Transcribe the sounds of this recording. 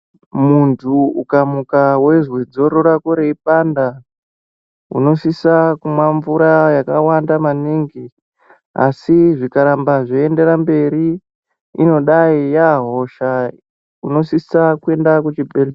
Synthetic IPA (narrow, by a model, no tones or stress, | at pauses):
muntʰuukamukawe̞ʐwed͡zo̞ɾoɾakoɾe̞ipanda | ṵno̞sisakumwaɱvuɾajakawandamaniŋɡi | a̰siʐikaɾambaʐoende̞ɾambe̞ɾi | ino̞ɗaijaɦo̞ʃa | uno̞sisakue̞ndakut͡ʃibʱere